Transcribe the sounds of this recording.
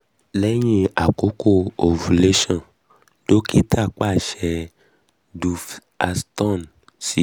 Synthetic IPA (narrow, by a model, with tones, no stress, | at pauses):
lɛ˦ɲĩ˦a˨ko˨˦ko˦o˨vu˨le˦ʃã˦˨ | ɖ̥o˦kʰi˦t̪ʰa˦˨k͡pa˦˨ʃɛ˨ | du˨f | a˨st̪ɔ˦˨n | si˨